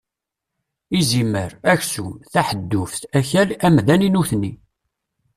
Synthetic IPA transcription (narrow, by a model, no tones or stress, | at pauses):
iziməɾæçsuθaħəd̪ːʊfθæçælæmðæninuθnːi